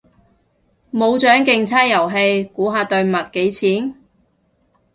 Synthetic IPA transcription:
mo˨˧wt͡ʃœː˨˥ŋkɪ˧ŋt͡sʰaː˥jɐ˨˩wɦe˧jkuː˨˥ɦaː˧t̪ɵ˧ɥmɐ˨t̚ke˨˥jt͡sʰiː˨˥n

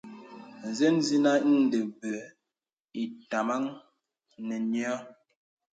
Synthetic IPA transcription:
n̩˨ze˦nzi˦na˦i˦ŋn̩˨de˨bə˨ | i˨ta˨ma˦ŋ | nɛ˨njɔ˦

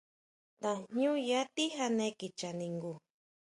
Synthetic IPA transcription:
t̪a˨ɲu˦ja˦t̪i˦ɦa˧neki˨t͡ʃanĩ˧ŋɡu˨

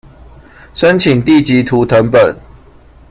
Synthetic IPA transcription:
ʂə˦nt͡ɕʰi˨˩ŋt̪i˥˨t͡ɕi˨˦t̪ʰu˨˦t̪ʰə˨˦npə˨˩˦n

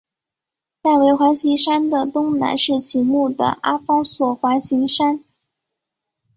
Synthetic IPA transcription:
t̪a˥˩ɪwe˧˥ɪxwa˧˥ɕi˧˥ŋʂa˥nd̪ə˨t̪ʊ˥ŋna̰˧˥nʂɻ̩˥˩t͡ɕʰi˧˥mu˥˩d̪ə̰˩ʔa˥fɑ˥ŋswɔ˨˩xwa˧˥nɕi˧˥ŋʂa˥n

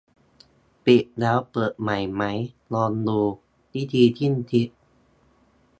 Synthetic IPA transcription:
pi˨˩ʔlɛː˦˥wpɤː˨˩t̪̚ma˨˩jma˦˥j | lɔː˧nduː˧ | t̪iː˥˩t̪iː˧t̪ʰi˥˩nt̪ʰi˦˥ʔ̚

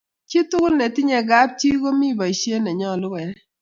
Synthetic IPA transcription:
t͡ʃi˦tʊ˦kʊ˦lnɛ˨tɪ˦ɲɛ˨ɡa˦p̚t͡ʃi˦ɡo˦mi˦˨ba˨i˨ʃje˦nɛ˨ɲɔ˦˨lʊ˦wɛ˨˦

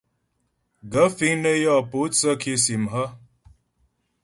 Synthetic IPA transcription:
ɡə˨˦fi˦ŋnə˦jɔ˦˨po˨˦t͡sə˦kʰi˦si˨mɦə˦

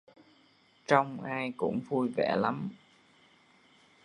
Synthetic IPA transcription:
t͡ɕɔ˧wŋ͡mʔaː˧jkʊ̰˧˥ŋ͡mvu˧jvɛ̰˧˩la˨˦m

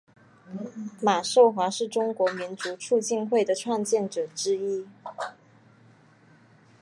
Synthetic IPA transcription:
ma˨˩ʂo˥˩ʊxwa˧˥ʂɻ̩˥˩ʈ͡ʂʊ˥ŋkwɔ˧˥mi˧˥nt͡su˧˥ʈ͡ʂʰu˥˧t͡ɕi˥˧nxwe˥˩ɪd̪ə˩ʈ͡ʂʰwa˥˧nt͡ɕjɛ˥˩nʈ͡ʂɤ˨˩ʈ͡ʂɻ̩˥i˥

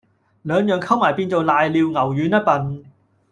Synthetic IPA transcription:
lœː˨˧ŋjœː˨ŋkʰɐ˥wmaː˨˩jpiː˧nt͡so˨wlaː˨jliː˨˧wŋɐ˨˩wjyː˨˥nɐ˥t̚pɐ˨n

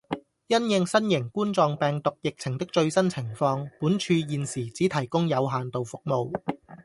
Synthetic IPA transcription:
jɐ˥njɪ˧ŋsɐ˥njɪ˨˩ŋkuː˥nt͡sɔː˨ŋpɛː˨ŋt̪ʊ˨k̚jɪ˨k̚t͡sʰɪ˨˩ŋt̪ɪ˥k̚t͡ʃɵ˧ɥsɐ˥nt͡sʰɪ˨˩ŋfɔː˧ŋpuː˨˥nt͡ʃʰyː˧jiː˨nsiː˨˩t͡siː˨˥t̪ʰɐ˨˩jkʊ˥ŋjɐ˨˧wɦaː˨nt̪o˨wfʊ˨k̚mo˨˧w

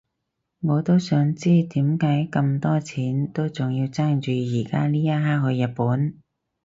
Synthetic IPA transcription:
ŋɔː˨˧t̪o˥wsœː˨˥ŋt͡siː˥t̪iː˨˥mkaː˨˥jkɐ˧mt̪ɔː˥t͡sʰiː˨˥nt̪o˥wt͡sʊ˨ŋji˧wt͡saː˥ŋt͡ʃyː˧jiː˨˩kaː˥liː˥jɐ˥ɦaː˥k̚ɦɵ˨˧ɥjɐ˨t̚puː˨˥n

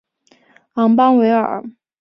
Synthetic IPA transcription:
ɑ˧˥ŋpɑ˥ŋwe˧˥ɪə̰˞˨˩˦

